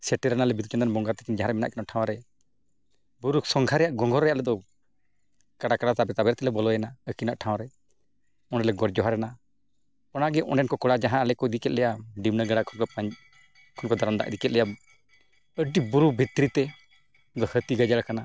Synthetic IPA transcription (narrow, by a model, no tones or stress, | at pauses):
sɛʈɛɾɛnalɛbid̪ut͡ʃɔnd̪anbɔŋɡat̪ɛ̥kind͡ʒaɦãɾɛmɛna̰ʔkɛnɔ̃ʈʰãw̃ɾɛ | buɾusɔŋɡʱaɾɛjaʔɡɔŋɡʱɔɾɛjaʔlɛd̪ɔ | kaɽakaɽat̪abɛt̪abɛɾt̪ɛlɛbɔlɔjɛnaəkinaʔʈʰãw̃ɾɛ | ɔnɖɛlɛɡɔɾd͡ʒɔɦaɾɛna | ɔnaɡɛʔɔ̃ɛnkɔkɔɽad͡ʒaɦãlɛkɔəd̪ikɛt̪̚lɛjaɖimnəɡaɽakʰɔnkɔpaɲ | kʰɔnkɔd̪aɾamd̪a̰ʔəd̪ikɛt̪̚lɛja | əɖibuɾubʱit̪ɾit̪ɛ | d̪ɔhət̪iɡad͡ʒalakana